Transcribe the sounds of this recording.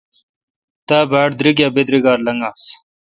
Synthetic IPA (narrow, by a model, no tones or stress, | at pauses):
t̪aːbʱaːʈd̪ɾiɡjaːbed̪ɾiɡaːɾlɐŋɡaːs